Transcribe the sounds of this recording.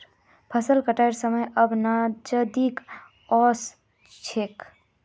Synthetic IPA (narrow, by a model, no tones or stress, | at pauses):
pʰəsəlkəʈajɾsəməjəbnad͡ʒəd̪ik | ɔs | t͡ʃʰek